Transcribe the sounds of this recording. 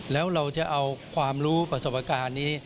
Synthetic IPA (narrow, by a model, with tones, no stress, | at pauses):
lɛː˦˥wɾa˧wt͡ɕa˨˩ʔa˧wkʰwaː˧mɾuː˦˥pɾa˧so˨˩p̚ʔa˧kaː˧nːiː˦˥